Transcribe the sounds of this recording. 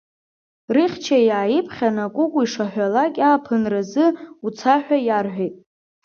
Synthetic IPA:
rɨχʲt͡ʃʰajaːjɪpʰχʲanakʷʼʊkʷʼiʂaħʷᶣalakʲʼaːpʰɨnrazɨut͡sʰaħᶣajarħᶣejtʼ

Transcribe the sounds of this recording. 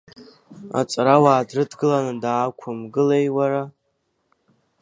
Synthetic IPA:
a̰t͡sʼɾawaːdrɨdɡɨlanɨdaːkʷʰʊmɡɨlejwaɾa

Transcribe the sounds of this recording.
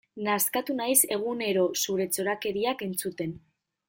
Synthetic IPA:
naskat̪unajse̞ɣ̞une̞ɾo̞suɾe̞t͡so̞ɾake̞ɾiake̞nt͡sut̪e̞n

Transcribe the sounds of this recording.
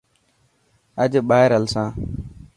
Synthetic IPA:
əʄɓaːɦɪɾəlsãː

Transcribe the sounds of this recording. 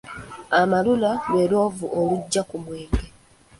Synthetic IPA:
amalulaweɾo̞ːvuʔoβuɟːakumweːŋɡe

